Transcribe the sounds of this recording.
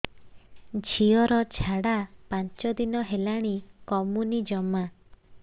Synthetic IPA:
d͡ʒʱiɔɾɔt͡ʃʰaɽapaɲt͡ʃɔd̪inɔɦelaɽ̃ikɔmunid͡ʒɔma

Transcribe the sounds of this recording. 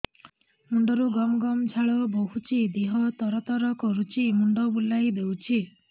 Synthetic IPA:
muɳɖɔɾuɡɔmɔɡɔmt͡ʃʰaɭɔboɦut͡ʃʰid̪iɦɔt̪ɔɾɔt̪ɔɾɔkɔɾut͡ʃʰimuɳɖɔbulːajd̪ewt͡ʃʰi

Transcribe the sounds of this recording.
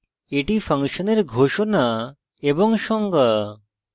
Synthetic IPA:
eʈipʰəŋʃəneɾɡʱoʃɔna | ebɔŋʃɔŋɡə

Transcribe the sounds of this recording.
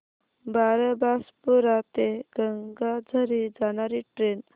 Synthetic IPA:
baɾəbaspuɾat̪eɡ̥əŋɡad͡zʱəɾid͡zaɽ̃aɾiʈɾen

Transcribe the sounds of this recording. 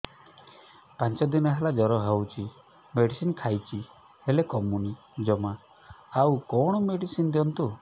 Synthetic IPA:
pant͡ʃɔd̪inɔɦelad͡ʒɔɾɔɦewt͡ʃʰi | meɖisinkʰajt͡ʃʰi | helekɔmuni | d͡ʒɔma | awkɔɽ̃ɔmeɖisind̪iɔnt̪u

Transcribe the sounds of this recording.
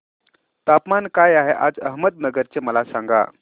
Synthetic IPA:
t̪apmankajaɦeʔa̰d͡zə̰ɦməd̪̚nəɡəɾt͡seməlasaŋɡa̰

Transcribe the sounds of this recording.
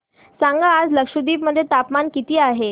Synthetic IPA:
sãŋɡaad͡zləkʂud̪iːpməd̪ʱjet̪apmankit̪iːaɦe

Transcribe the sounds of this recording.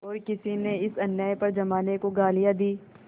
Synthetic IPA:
ɔːɾkɪsineɪsɐnjaːjpɐɾd͡ʒɐmaːnekoɡaːlijad̪iː

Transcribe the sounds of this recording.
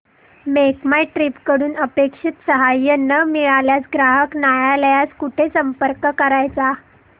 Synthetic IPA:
mekmajʈɾipkəɽuːnəpekʂit̪səɦajənəmiɭaljasɡɾaɦəknajaləjaskuʈʰesəmpəɾkəkəɾajt͡sa

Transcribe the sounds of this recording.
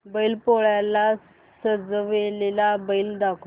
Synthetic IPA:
bəilpoɭjala | səd͡zʋelelabəild̪akʰu

